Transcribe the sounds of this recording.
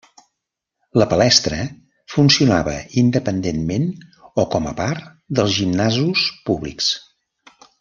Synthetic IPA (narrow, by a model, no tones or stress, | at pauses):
ləpəlɛst̪ɾə | funsiunaβə̰ind̪əpənd̪enmenɔkɔməpaɾt̪ | d̪əlˠzʒimnazuspuβlḭks